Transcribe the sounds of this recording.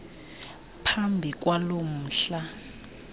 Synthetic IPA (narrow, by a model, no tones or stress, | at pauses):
pʰambʱik̬ʼwalom̩ːɬa